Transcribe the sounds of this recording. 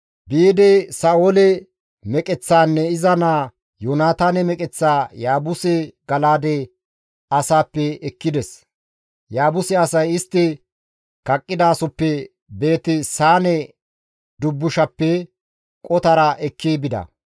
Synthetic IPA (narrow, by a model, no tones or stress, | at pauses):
beːd̪ɛsaːolɛ | mɛkʼɛt͡sːaːnːɛɪzɐnaː | jonaːt̪aːnɛmɛkʼɛt͡sːaːjaːbʊsɛɡɐlaːd̪ɛ | ɐsaːpːɛɛkːɪd̪ɛs | jaːbʊsɛɐsɐjɪst̪ːɪ | kɐkʼːɪd̪aːsɔpːɛ | be̞ːt̪ɪsaːnɛ | d̪ʊbːʊʃɐpːɛ | kʼɔt̪ɐɾɐʔɛkʰːeːbɪd̪ɐ̰